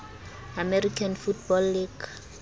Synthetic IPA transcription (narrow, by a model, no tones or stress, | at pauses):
amɛrikʰanfutbɔlːiɡ̥